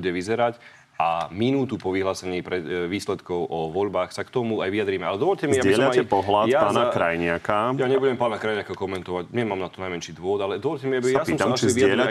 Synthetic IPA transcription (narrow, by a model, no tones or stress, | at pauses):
uɟɛʋizɛɾac | ʔaminuːt̪upɔʋiɦlaːsɛɲiːpɾɛʋiːslɛt̪kɔʊʔɔʋɔʎbaːxsakt̪ɔmuajʋijad̪ɾiːmɛalɛd̪ɔʋɔʎcɛmiaiɛʎaaɛpɔɦlatjaaːnakɾajɲɪakajaɲɛbuɟɛmpaːnakɾajɲɪakakɔmɛnt̪ɔʋaɟɲɛmaːmnat̪ɔnajmɛnʃiːd̪ʋɔʋɔd̪alɛd̪ɔʋɔʎcɛmiabijasɔmsaaiiaɛɾa